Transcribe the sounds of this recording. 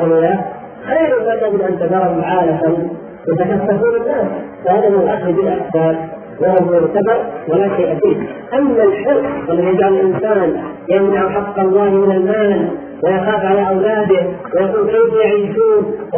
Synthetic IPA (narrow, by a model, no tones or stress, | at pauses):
wɪja | xaːɾʊmat̪aɡɪd̪ʔant̪azɑɾˤɑhmʕaːlafan | jɪt̪akasːɑfuːlɪnːaːs | fahad̪amɪnalʔaxlbiːnʔaxsaːl | wɪabuɪkabɑɾˤwɪlaʃajʔafiːʔamːalħʊlʔʔalːaðiɡaːlalʔɪnsaːn | jamnaʕħɑqːɑlˤːɑːhmɪnalmaːl | wɪjaxaːfʕalaʔawlaːd̪ɪhwɪjaquːlkeːfjaʕiːʃuːn